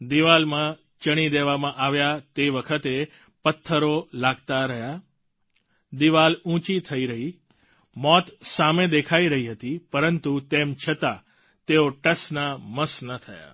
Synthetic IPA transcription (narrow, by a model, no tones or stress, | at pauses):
d̪iʋalmã | t͡ʃəɽ̃id̪eʋamãʔaʋjat̪eʋəkʰət̪e | pət̪ʰːəɾolaɡt̪aɾəɦja | d̪iʋalũt͡ʃit̪ʰəiɾəɦi | mɔt̪samed̪ekʰaiɾəɦiɦət̪ipəɾənt̪ut̪emt͡ʃʰət̪a | t̪eoʈəsnaməsnət̪ʰəja̰